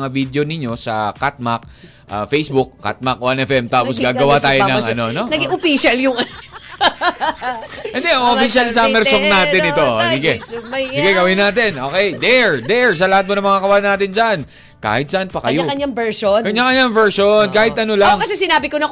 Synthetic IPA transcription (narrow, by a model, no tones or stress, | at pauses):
ŋavid̪jo̞nɪɲːo̞sɐ̰kat̪̚mak̚ | ʔa̰fejsbʊkːa̰t̪̚makʔoʔɐnɛfɛmt̪aːposɡaːɡɐwat̪aːjonɐŋʔɐno̞o̞nɐɡɪʔofiʃaljʊŋɐn | ʔɛnd̪ɛʔʔoffiʃalsɐmɛɾsoŋnaːt̪ɪnɪt̪o̞sɪɡɛsɪɡɛɡɐwɪnaːt̪̬ɛnʔoːkɛjd̪ɛɹd̪ɛɹsɐlɐhat̪̚mo̞nɐŋmɐŋakɐwanːaːt̪̬ɪnd͡ʒan | ka̰ːhɪt̪̚sɐʔanpɐkɐjoaɐɲaŋbɛɹʃonkɐɲːakɐɲaŋvɛɹʃonkaːhɪt̪̚ʔɐnolaŋkɐsɛsɪnaːbɪkonɐ